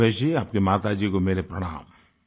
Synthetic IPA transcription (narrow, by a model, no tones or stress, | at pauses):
eːʃiaːp̚kemaːt̪ad͡ʒiːkomeːɾepɾɐɽ̃a̰ːm